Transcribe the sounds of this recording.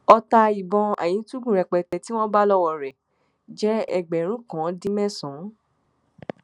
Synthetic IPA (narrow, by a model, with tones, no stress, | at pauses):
ɔ˧ta˧i˨bɔ̃˧a̰˨j̃ĩ˨˦tu˦ɡũ˦˨ɾɛ˨k͡pɛ˨tɛ˨ti˦w̃ɔ̃˦ba˦lɔ˦wɔ˨ɾɛ˨ | d͡ʒɛ˦ɛ̰˦˨ɡ͡bɛ˨ɾ̃ũ˨˦kã˨˦dĩ˦mɛ̃˦sɔ̃˨˦